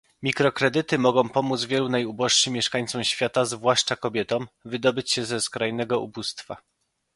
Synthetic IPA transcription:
mʲikɾɔkɾɛd̪ɘt̪ɘmɔɡɔ̃w̃pɔmud̪zvʲjɛlunajubɔʂʂɘmʲːjɛʂkaɲ̃t̪sɔwɕfʲjat̪azvwaʂt͡ʂakɔbʲjɛt̪ɔ̃mvɘd̪ɔbɘt͡ɕɕɛzɛskɾajnɛɡɔṵbust̪fa

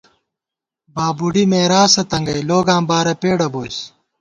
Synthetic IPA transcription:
baːbuɽimeːɾaːsɐt̪ɐŋɡɐjloːɡãːmbaːɾɐpeːɽɐboːs

